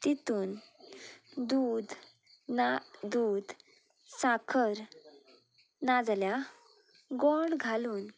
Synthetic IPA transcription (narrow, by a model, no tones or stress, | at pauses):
t̪it̪uːn | d̪uːd̪ | d̪uːd̪ | sakʰəɾ | nad͡zlja | ɡoɖɡʱaluːn